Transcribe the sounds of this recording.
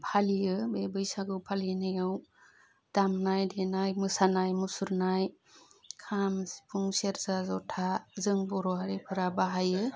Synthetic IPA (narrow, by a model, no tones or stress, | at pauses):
pʰalijɯbebɯjsaɡɯwpʰalinɯjɯw | d̥amnajdenajmɯsanajmusuɾnaj | kʰamsi̥pʰuŋseɾzazɔtʰazɯŋbɔɾɔɦaɾipʰɯɾabaɦajɯ